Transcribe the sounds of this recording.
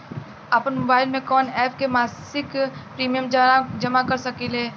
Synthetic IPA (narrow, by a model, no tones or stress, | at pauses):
apənmʊbaːɪlmẽkɔːnɛːpʰkemaːsɪkpɾiːmijəmd͡ʒɐmakɐɾsɐkileː